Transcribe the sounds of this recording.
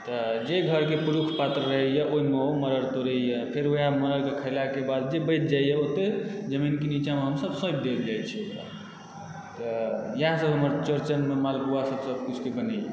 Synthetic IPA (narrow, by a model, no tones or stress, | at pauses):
t̪ɔd͡ʒeɡʱəɾkepuɾukʰpat̪ɾəɾəɦejaʔoimeɦoməɾəɾt̪oɾejapʰeɾoiaməɾəɾkekʰəɪlakebad̪d͡ʒebəjt̪̚ʰd͡ʒajjeot̪ːed͡ʒəminkenit͡ʃameɦəmsəbsə̃jb̚d̪eld͡ʒajt͡ʃʰioka̰ | t̪əjəɦãsəbʱɦəməɾt͡ʃəɾt͡ʃənmemalbuasəbsəbʱkut͡ʃʰkebənəḛ